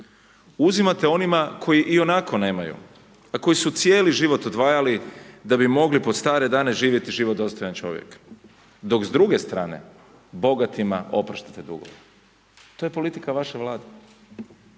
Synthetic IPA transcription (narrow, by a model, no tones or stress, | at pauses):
uzimat̪e̞o̞nimakʰo̞jiʔio̞nakʰo̞ne̞ːmajṵ | ako̞jisut̪sjeːliʒiʋo̞t̪od̪ʋaːjalid̪abimo̞ɡlipo̞st̪aːɾe̞d̪aːne̞ʒiːʋje̞t̪iʒiʋo̞d̪o̞st̪ojant͡ʃo̞̰ʋjḛk | d̪o̞kzd̪ɾuɡe̞st̪ɾaːne̞̰ | bo̞ɡat̪ima̰ʔo̞pɾaʃt̪ḁt̪ed̪ṵɡo̰ʋo | t̪ojepo̞lit̪ikaʋaʃeʋlˠaːd̪e